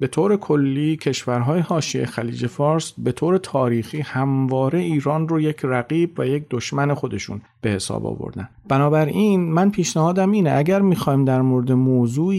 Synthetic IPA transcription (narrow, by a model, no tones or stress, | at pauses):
be̞t̪ʰoːɾe̞kʰo̞lːiːcʰe̞ʃvæɾɦɒːjehɒːʃiḛxæliːd͡ʒe̞fɒːɾsbe̞t̪ʰoːɾe̞t̪ʰɒːɾiːxiːhæmvɒːɾe̞iːɾɒːnroje̞cʰræɣiːbvæje̞c̚d̪oʃmæne̞xo̞d̪e̞ʃṵn | b̥e̞he̞sɒ̰ːbɒ̰ːvo̰ɾd̪ænb̥ænɒːbæɾiːnmænpʰiːʃnæhɒːd̪æmiːneʔæɟæɾmiːxɒːiːmd̪æɾmoɾed̪emoːzuː